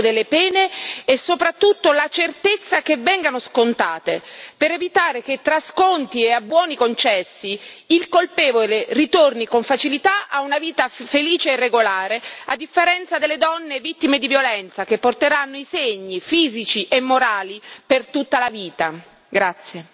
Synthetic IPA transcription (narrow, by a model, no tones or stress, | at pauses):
d̪elːepɛːneesːopɾat̪ːut̪ːolat͡ʃert̪et̪sːak̟evɛŋɡanoskont̪aːt̪ḛpeɾevit̪aːɾek̟et̪ːɾaskont̪ieabːwɔːnikont͡ʃɛsːiilkolpɛːvolerit̪ornikoɱfat͡ʃilit̪aʔaunaviːt̪afeliːt͡ʃeːrːeɡolaːɾead̪ːifːeɾɛnt̪sad̪elːed̪ɔnːevit̪ːimed̪ivjolɛnt̪sak̟epːort̪eɾanːoiseɲːifiːzit͡ʃiʔemːoɾaːlipert̪ut̪ːalaviːt̪a | ɡɾat̪sːje